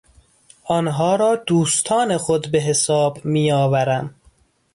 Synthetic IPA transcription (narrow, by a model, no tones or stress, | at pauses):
ʔɒnɦɒːɾɒːd̪̥uːst̪ʰɒːnexod̪beɦesɒːbmiːjɒːvæɾæm